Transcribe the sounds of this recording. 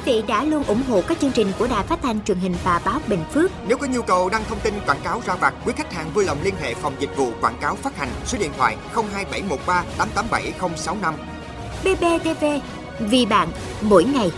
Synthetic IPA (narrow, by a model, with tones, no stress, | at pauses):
ki˨˦vḭ˧˨ɗa̰ː˧˥lu˧ənʔʊ̰˧˩ŋ͡mɦo̰˧˨kaː˦˥k̚t͡ɕɨ˧əŋt͡ɕï˨˩ŋ̟ku˧˩əɗaː˨˩jfaː˦˥t̚t̪ʰa˧jŋ̟t͡ɕwi˨˩ənhï˨˩ŋ̟vaː˨˩ɓaː˨˦wɓḛ˧˨ŋ̟fɨ˦˥ək̚ne˨˦wkɔ˨˦ɲu˧kə˨˩wɗaː˧ŋt̪ʰə˧wŋ͡mt̪i˧nkwaː˧˩nkaː˨˦wzaː˧vaː˨˩t̚kwi˨˦ka˦˥k̚ha̰ː˧˨˩ŋvuː˧jlə˨˩wŋ͡mli˧ənɦḛ˧˨fa˨˩wŋ͡mzï˨˩k̟̚vṵ˧˨kwaː˧˩nkaː˨˦wfaː˦˥t̚ha˨˩jŋ̟so˨˦ɗḭ˧˨ənt̪ʰwa̰ː˧˨jxə˧wŋ͡mɦaː˧jɓa˧˩jmo˨˩t̚ɓaː˧t̪aː˨˦mt̪aː˨˦mɓa˧˩jxə˧wŋ͡msa˨˦wna˧m | ɓe˧ɓe˧t̪e˧ve˧ | vi˨˩ɓa̰ː˧˨n | mo̰˧˥jŋa˨˩j